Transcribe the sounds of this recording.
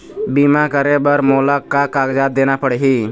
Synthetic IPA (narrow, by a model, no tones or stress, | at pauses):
bimakəɾebəɾmoləkːakaɡd͡ʒad̪enapəɽɦi